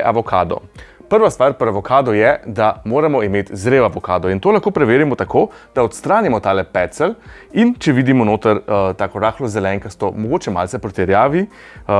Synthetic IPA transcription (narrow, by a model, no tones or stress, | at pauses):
ʔaʋɔkʰaːd̪ɔ̰ | pəɾʋast̪ʋaːɾpɔɾaʋɔkʰaːd̪ɔjɛd̪amoːɾamɔimeːt̪zɾeːwaʋɔkaːd̪ɔint̪oːlaxkoːpɾɛʋeːɾimɔt̪akʰoːd̪̥aɔt̪st̪ɾaːnimɔt̪aːlɛpɛt̪sɛl | int͡ʃɛʋiːd̪imɔnoːt̪əɾt̪aːkɔɾaːxlɔzɛlɛŋkəst̪ɔmɔɡoːt͡ʃɛma̰lsɛpɾɔt̪ɛɾjaːʋi